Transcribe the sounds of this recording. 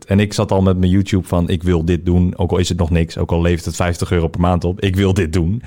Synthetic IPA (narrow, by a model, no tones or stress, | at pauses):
tɛnɪksɑtɔlˠmɛtmənjuːtjupfɔnʔɪkʋɪlˠdɪt̚duno̰wkɔlˠɪsətnɔχnɪkso̰wkɑlˠlejftətfɛjftəχøːrowpɛrmaːntɔpɪkʋɪlˠdɪt̚dun